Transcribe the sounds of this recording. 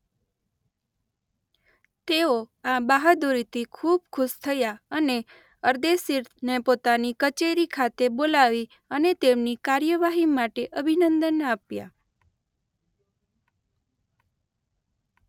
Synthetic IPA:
t̪eoabaɦad̪uɾit̪ʰikʰubkʰʊʃt̪ʰəjaəne | əɾd̪esiɾnepot̪anikət͡ʃeɾikʰat̪ebolaʋi | ənet̪emnikaɾjəʋaɦimaʈeʔəbʱinənd̪ənapja̰

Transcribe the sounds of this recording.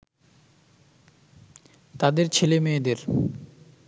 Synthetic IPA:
t̪ad̪eɾt͡ɕʰelemeːd̪eɾ

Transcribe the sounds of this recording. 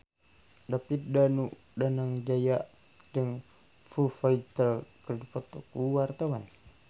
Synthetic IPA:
dapit̪̚danuʔ | danaŋd͡ʒajaʔ | dəŋ | fufait̪əlkərdupɔt̪okuwart̪awan

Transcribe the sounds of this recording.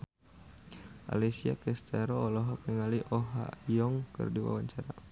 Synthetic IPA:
ʔa̰lisiakɛst̪aɾɔːlɔɦɔkɛŋaliʔɔɦa̰jɔŋkə̰rdiwa̰waɲt͡ʃaɾa

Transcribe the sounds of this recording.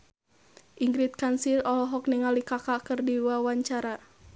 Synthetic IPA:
ʔiŋɡɾit̪̚kansilɔlɔɦɔk̚nɛŋalikakakɨrdiwawaɲt͡ʃaɾa

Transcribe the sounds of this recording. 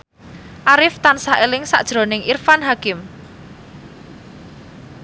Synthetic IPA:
ʔaɾɪft̪ansaʔelɪŋsa̰ʔd̥ʒ̥ɾo̤nɪŋʔirfanɦakɪm

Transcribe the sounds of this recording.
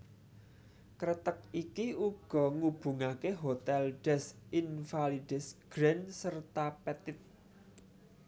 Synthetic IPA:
kɾət̪ək̚ikiuɡ̥ɔ̤ŋub̥ṳŋakeɦot̪ɛlɖ̥ɛsʔinfaliɖ̥ɛsɡ̥ɾɛnsərt̪apɛt̪ɪt̪̚

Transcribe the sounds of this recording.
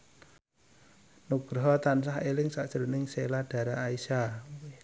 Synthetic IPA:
nuɡ̥ɾɔɦɔt̪ansahelɪŋsaʔt͡ʃəɾənɪŋselaɖ̥a̤ɾaːisa

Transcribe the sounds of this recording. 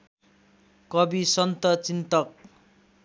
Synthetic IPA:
kʌbisʌnt̪ʌt͡sint̪ʌk̚

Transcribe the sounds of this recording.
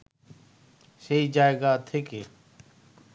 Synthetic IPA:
seiːd͡ʒaːeːɡaːt̪ʰekeː

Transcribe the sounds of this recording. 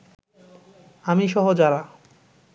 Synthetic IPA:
amiʃɔɦod͡ʑaɾa

